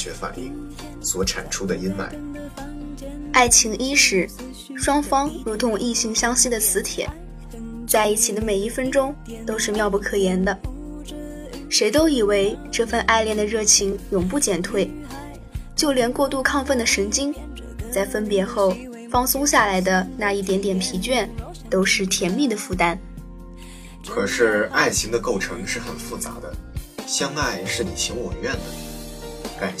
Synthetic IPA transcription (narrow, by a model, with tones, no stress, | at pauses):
ɥɛ˧˥fa̰˨˩nli˥˩ | swɔ˨˥ʈ͡ʂʰa̰˨˩nʈ͡ʂʰu˥d̪ə˨i˥nma̰˨˩ɪ | a˥˩ɪt͡ɕʰi˧˥ŋʔi˥ʂɻ̩˧˥ | ʂwɑ˥ŋfɑ˥ŋɻu˧˥t̪ʰʊ˧˥ŋʔi˥˩t͡ɕʰi˧˥ŋɕjɑ˥ŋɕi˥d̪ə˨t͡sʰɹ̩˧˥t̪ʰjɛ̰˨˩˦n | t͡sa˥˧ɪi˥˩t͡ɕʰi˨˩d̪ə˦me˨˩i˥˩fə˥nʈ͡ʂʊ˥ŋ | t̪o˥ʊʂɻ̩˥˧mjɑ˥˧ʊpu˥˩kʰɤ˨˩jɛ˧˥nd̪ə˧ | ʂe˧˥ɪt̪o˥ʊi˨˩we˥˩ɪʈ͡ʂɤ˥˧fə˥˧nʔa˥˧ɪljɛ˥˩nd̪ə˩ɻɤ˥˩t͡ɕʰi˧˥ŋjʊ˨˩ŋp̬u˥˩t͡ɕjɛ˥˩nt̪ʰwe˥˩ɪ | t͡ɕjo˥˩ʊljɛ˧˥nkwɔ˥˧t̪u˥˧kʰɑ˥˧ŋfə˥˩nd̪ə˩ʂɤ˧˥ŋt͡ɕi˥ŋ | t͡sa˥˩ɪfə˥npjɛ˧˥xo˥˩ʊ | fɑ˥ŋsʊ˥ŋɕja˥˩la˧˥ɪd̪ə˧na˥˧i˥˩t̪jɛ˧˥nt̪jɛ˨˩npʰi˧˥t͡ɕɥɛ˥˩n | t̪o˥ʊʂɻ̩˥˩t̪ʰjɛ˧˥nmi˥˩d̪ə˩fu˥˩t̪a˥n | kʰɤ˨˩ʂɻ̩˥˧a˥˩ɪt͡ɕʰi˧˥ŋd̪ə˧ko˥˩ʊʈ͡ʂʰɤ˧˥ŋʂɻ̩˥˩xə˨˩nfu˥˩t͡sa̰˧˥d̪ə˧ɕjɑ˥ŋa˥˧ɪʂɻ̩˥˩ni˨˩ɕʰi˧˥ŋwɔ˨˩ɥɛ˥˩nd̪ə˨˩ | ka˨˩n